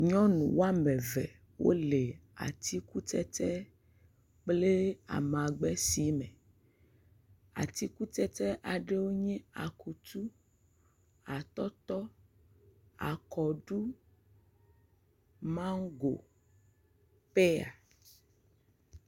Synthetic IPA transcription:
ɲɔ̃˦nṵ̃˨wo˦a˦mɛ̃˨vɛ̰˨ | wʔo̰˦le˨a̰˨t̪i˦ku˦t̪ɛ˦t̪ɛ˦ | k͡ple˦a̰˨m˨a˨ɡ͡bɛ˦si˨˦mɛ̃˨ | a̰˨t̪i˦ku˦t̪ɛ˦t̪ɛ˦ʔa˨ɖe˦wo˦ɲɛ̃˦a˨ku˨t̪u˦ | a˨t̪ɔ˦t̪ɔ˦ | a̰˨kɔ˨ɖu˦ | mã˦ŋ˦ɡo̰˨ | pe˦a̰˨

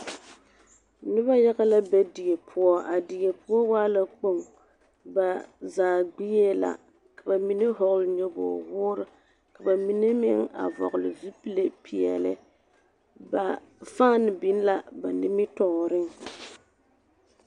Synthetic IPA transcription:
nɪ˦βa˦ja˦ɣa˦la˦ba˦di˨e˨pʰʊ˦ɔ˦ʔa˨di˨je˨pʊ˦ɔ˦waː˦la˦k͡po˦˨ŋ | ba˨zaː˨ɡ͡bi˦je˦la̰˨ | ka˨ba˨mi˦ne˦ɦɔ˨ɣlɲɔ˦bo̰ː˨wʊː˦ɾɨ˦ | ka˨ba˨mi˦ne˦mɪ˦ŋa̰˨vɔ̰˨ɣʊ˨lɪ˨zi˦pi˦le˦pʰi˨ɛ̰˨lɪ̰˨ | ba˨ | faː˦nɪ˨bi˦n˦la˦ba˨nɪ˦mɪ˦tɔ˨ɾɪ˦ŋ˨

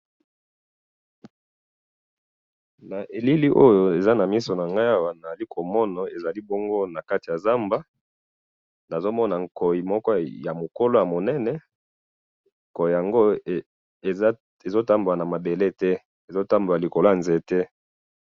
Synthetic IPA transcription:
na˨ʔe˨li˦li˦ʔo˦jo˨e˨za˦na˨mi˦so˨na˨ŋɡa˦ja˦wa˨na˨za˨li˦kʰo˨mɔ˦na˨e˨za˨li˦bo˦ŋɡo˦na˨ka˦ti˨a˨za˦mba˦ | na˨zo˦mɔ˦na˨ŋko˨ji˨mɔ˦kɔ˦ja˨mo˨ko˦lo˦ja˨mo˨nɛ˦nɛ˨ | ko˨ji˨ja˨ŋɡo˦˨˦ | e˨zo˦ta˦mbo˨a˨na˨ma˨be˨le˦tɛ˦ | e˨zo˦ta˦mbo˨a˨li˨ko˨lo˦a˨nze˦tɛ˦

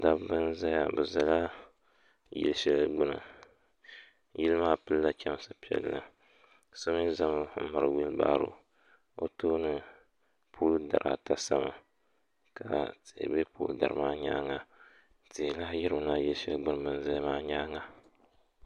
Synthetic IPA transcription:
da˦bbɨ˦n˦za˦ja̰˨bɨ˨za˨la˦ | jḭ˦lʃɛ˦lɡ͡bɨ˦nɨ̰˨ | ji˦lmaː˦pɨ˦lːa˦t͡ʃɛ˦m˦sa˦pi˨ɛ̰˨lːa̰˨ | sa˦m˦za˦mo˦m̩˦ma˨ɾɨ˨wi˦lba̰ː˦ɾo̰˨ | o˦toː˦nɨ˨ | pʰuː˦lda˨ɾʔa̰˨ta˦sa˦ma̰˨ | ka˨te˨be˦pṵː˦lda˨ɨ˨maː˦ɲa̰ː˦ŋa˦ | te˨la˦ji˦ɾɨ˨na˦ji˦lʃɛ˦lɡ͡bɨ˦nɨ˨bɨ˦n˦za˦jmaː˦ɲaː˦ŋa˦

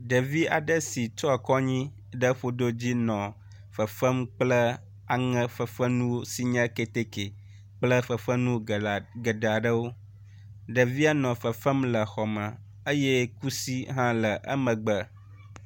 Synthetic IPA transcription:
ɖə˨vi˦a˨ɖə˦si˨tɔ˦a˨kɔ˦ɲĩ˦ | ɖə˦ɸo˦d̪o˦d͡ʑi˦nɔ̃˨ | fə˨fə˦mk͡plə˦ | a˨ŋə̃˦fə˨fə˦nũ˦wo˦si˦ɲə̃˦ke˨t̪e˦ke˨ | k͡plə˦fə˨fə˦nũ˦ɡə˨ɖa˨ɖə˦wo˦ | ɖə˨vi˦a˦nɔ̃˨fə˨fə˦mlə˨xɔ˨mə̃˨ | ə˦je˦ku˦si˦ɦã˦lə˨ʔə̰˦mə̃˨ɡ͡bə˨

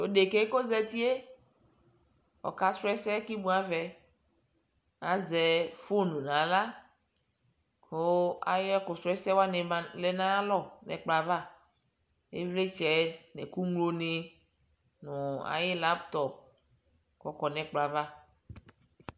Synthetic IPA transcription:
o˨de˨ke˦ko˦zɛ˦t̪i˦e˦ | ɔ̰˨ka˦sɾɛ˦sɛ˦ki˦mũ˦a˦vɛ˨ | a˨zɛ˨fo˦nũ˨nã˨la˦ | kʰo˦a̰˨jɪ˦ɛ˦kʊ˨sɾɛ˦sɛ˦wa˦nɛ˨˦lɛ˦nã˦lɔ˦˨nɛ̰˨k͡pla˨va˦ | ḛ˦vle˦t͡ʃɛ˨˦nɛ̰˨ku˦ŋlo˦ne˦ | nʊ̃˨a̰˨jɪ˦la˦pt̪ɔ˨p̚ | kɔ˨kɔ˨nɛ̃˨k͡pla˨va˦

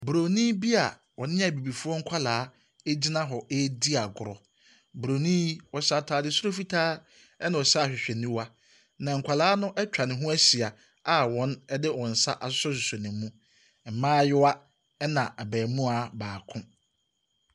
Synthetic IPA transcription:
bɾo˨nĩː˦bi˦a˨ | wɔ˨nɪ̃˦a˨bi˨bi˨fu˦ɔ˦ŋ̩˦kʷʰa˦laː˨˦ | e˦d͡ʑi˦nã˦ɦɔ˨ʔe˦di˦a˨ɡʊ˨ɾɔ˨ | bɾo˨nĩ˦wɔ˨ɕa˦tʰaː˦dɪ˦sʊ˦ɾo˦fi˦tʰaː˦ | ɛ˦nã˨ɔ˨ɕa˦˨ɕᶣɪ˨ɕᶣɛ˨nĩ˦wa˦ | nã˨ŋ̩˨kʷʰa˨laː˦nʊ̃˦ʔɛ˦t͡ɕᶣa˨nɪ̃˨ɦʊ̃˦æ˦si˨a˨ | a˨wɔ̃˨˦nɛ˦dɪ˦wɔ̃˨n̩˨sa̰˦ʔa˨sʊ˦sɔ˦s̬u˨so˨nɪ̃˨m˦mũ˦ | m̩˨mãː˦jɪ˦wa˦ | ɛ˦nã˨ʔa˨bæː˨mũ˦a˨baː˨kʰʊ̃˦

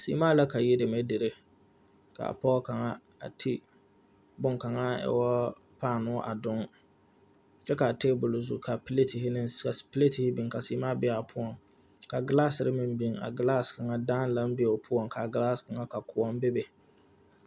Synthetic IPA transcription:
sḭː˨˦maː˦la˦ka˨jɪ˦de˨mɛ˦dɪ˨ɾɪ˦ | ka̰˨a̰˨pɔ˦ka˨ŋa˦ | a̰˨tʰi˦ | bʊ˦ŋka˨ŋa˦ɛ̰˦wɔ˦ | paː˦˨nʊ˦ʔa̰˨dʊ˦ŋ | t͡ʃɛ˦ka˨teː˦bʊ˨lzu˨ka˨ple˦ti˨hɪ˦nɪ˦ka˨spɪ˦le˦ti˨hɪ˦bi˨ŋka˨siː˦maː˦bɪ˦a˨pʰʊ˦ɔ˨ŋ | ka˨ɡɪ˦laː˦sɪ˨ɾɪ˦mɪ˨mbi˦ŋa̰˨ɡɪ˦laː˦ska˨ŋa˦daː˦n˦la˦m˦bɪ˦ɛ˨pʰʊ˦ɔ˨ŋkʰa˨ɡɪ˦laː˦ska˨ŋa˦ka˨kʰʊ˨ɔ˦m˦bɪ˦bɪ˨

